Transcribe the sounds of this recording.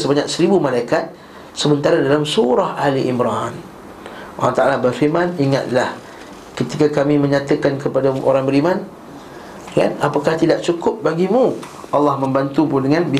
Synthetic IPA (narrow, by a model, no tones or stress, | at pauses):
səbaɲak̚səɾibumalaikat̪̚ | səbənt̪aɾadalamsuɾahahliʔimɾan | ʔo̰laht̪aʔalabərfimaniŋa̰t̪̚lah | kət̪ikakamĩmə̃ɲat̪əkankəpadaʔo̰ɾaŋbəɾiman | ka̰napakaht̪idaʔ̚t͡ʃukʊp̚baɡimũɑlːɑhmə̃mbant̪upʊndəŋanbi